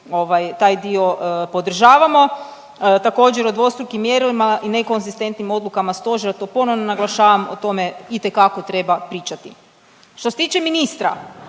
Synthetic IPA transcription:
o̞ʋajt̪aːjd̪io̞po̞d̪r̩ʒaːʋamo̞ | t̪ako̞ːd͡ʑeɾod̪ʋo̞st̪ɾukimːjeɾimaʔineko̞nzist̪e̞nt̪nimo̞d̪lˠukamast̪o̞ʒeɾat̪o̞po̞noʋnonaɡlˠaʃaːʋamo̰t̪o̞me̞it̪e̞kako̞t̪ɾe̞bapɾiːt͡ʃat̪i | ʃt̪oset̪iːt͡ʃeminist̪ɾa̰

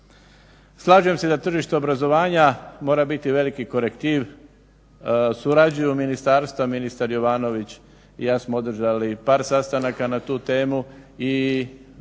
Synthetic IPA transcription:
slˠaʒuje̞mse̞d̪at̪r̩ʒiʃt̪eobɾazo̞ʋaːɲamo̞ːɾabit̪iʋe̞likiko̞ɾekt̪iːʋ | suɾad͡ʑujuminist̪aːɾst̪ʋaminist̪aɾjo̞ʋaːno̞ʋit͡ɕ | jaːsmoo̞d̪r̩ʒalipaːɾsast̪anakanat̪uːt̪e̞ːmui

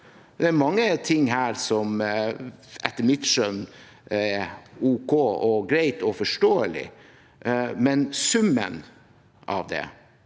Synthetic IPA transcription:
d̪ɛæɾmɑŋːət̪ʰɪŋːɦæːɾsɔm | ʔɛt̪ːəmɪt̪ʃœn | ɛuːkʰoːɔɡɾæɪt̪ɔfɔʂʈoːəlɪ̰ | mɛnsʉmːə̰n | ʔɑ̰ʋd̪ɛ̰

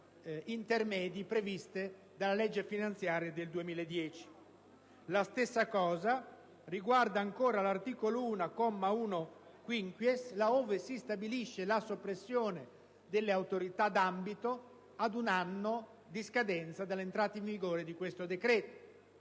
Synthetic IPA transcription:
int̪ermɛːd̪ipɾevist̪e | d̪alalɛd͡ʒːefinant̪sjaːɾjad̪eld̪uemiːled̪ːjɛːt͡ʃi̥ | last̪esːakɔːza | riɡward̪aːŋkoːɾalart̪iːkoluːnakɔmːauːnokwiŋkwjeslaoːvesist̪abiliʃːelasopːɾesːjoːne | d̪elːeawt̪oɾit̪ad̪ambit̪o | ad̪unanːo | d̪iskad̪ɛnt̪sad̪alːent̪ɾaːt̪aĩɱviɡoːɾed̪ikwest̪od̪ekɾɛːt̪o̥

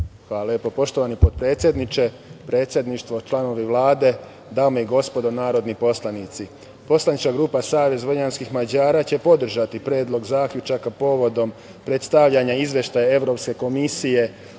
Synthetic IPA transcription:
xʋaːljepo̞po̞ʃt̪o̞ʋanipod̪̚pɾe̞ːt̪sʲjed̪nit͡ʃe̞ | pɾe̞ːt̪sje̞d̪niʃt̪ʋo̞t͡ʃlˠano̞ʋiʋlˠaːd̪e̞ | d̪aːmoiɡo̞spo̞d̪onaːɾo̞d̪nipo̞slˠanit̪si | po̞slˠanit͡ʃkaɡɾuːpasaːʋe̞zʋoɲanskixmad͡ʑaːɾat͡ɕepo̞d̪r̩ʒat̪ipɾe̞ːd̪lˠo̞ɡzaːkʎʲut͡ʃakapo̞ʋo̞d̪o̞m | pɾe̞t̪st̪aʋʎaɲaizʋje̞ʃt̪ajae̞ʋɾo̞pske̞ko̞misije̞

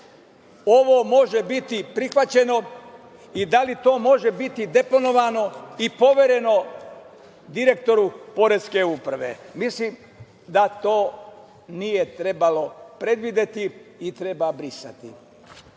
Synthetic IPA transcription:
o̞ʋo̞mo̞ʒe̞bit̪ipɾixʋat͡ɕe̞no̞ | id̪alit̪o̞ːmo̞ʒe̞bit̪id̪e̞po̞no̞ʋano̞ipo̞ʋeɾe̞no̞ | d̪iɾe̞kt̪o̞ɾupo̞ɾeske̞uːpɾaʋḛmislim | d̪at̪o̞ː | nije̞t̪ɾebalo̞pɾe̞d̪ʋid̪e̞t̪iːt̪ɾe̞babɾisa̰t̪ḭ

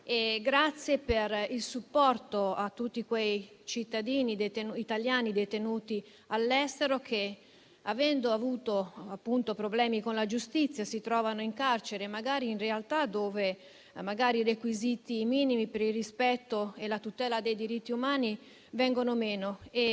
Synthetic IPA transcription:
eɡɾat̪sːjeperilsupːɔrt̪oat̪ːut̪ːikwej | t͡ʃit̪ːad̪iːnid̪et̪enuit̪aljaːnid̪et̪enuːt̪i | alːɛst̪eɾokʰe | avɛnd̪oavuːt̪oapːunt̪opɾoblɛːmikonlad͡ʒust̪it̪sːjasit̪ɾɔːvanoiŋkart͡ʃeɾemaɡaːɾiːnrealt̪ad̪oːve | maɡaːɾirekwizit̪imiːnimipeɾilrispɛt̪ːoelat̪ut̪ɛːlad̪ejd̪iɾit̪ːiumaːni | vɛŋɡonomeːnoe

